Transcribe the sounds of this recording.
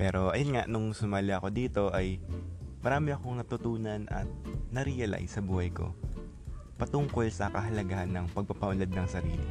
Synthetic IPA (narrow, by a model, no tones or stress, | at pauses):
pɛːɾo̞ʔɐjonŋaʔnʊŋsʊmaːlɪʔɐko̞d̪iːt̪o̞ʔɐjmɐɾaːmɪɐko̞ŋnɐt̪ʊt̪uːnɐnʔɐ̰t̪̚nɐɾiʔɐla̰jsɐbuːhɐjko̞̰ | pɐt̪ʊŋko̞lsɐkɐɦɐlɐɡahɐnːɐŋpɐɡ̚pɐpɐʔʊlɐd̪̚nɐŋsɐɾḭːlɪ